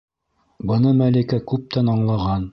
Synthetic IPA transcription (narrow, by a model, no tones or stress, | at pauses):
bɤ̆nɤmælikækʉp̚t̪ænɑɴlˠɑʁɑn